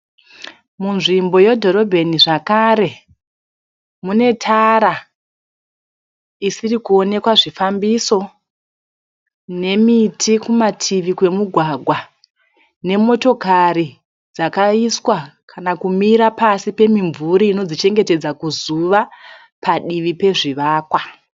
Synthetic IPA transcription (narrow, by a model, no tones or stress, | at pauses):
munʐimbo̞jedʱo̞ɾo̞bʱe̞niʐakaːɾe̞ | mune̞tʰaɾa | isirikuo̞ne̞kwaʐifambiso̞ | ne̞mitʰikumatʰiʋikwe̞muɡʱwaɡʱwa | ne̞mo̞to̞kaɾi | d͡zakaiswa | kʰanakumiɾapasipe̞miɱvuɾiino̞d͡zit͡ʃe̞ŋɡete̞d͡zakuzuʋa | paɗiʋipe̞ʐiʋaːkwa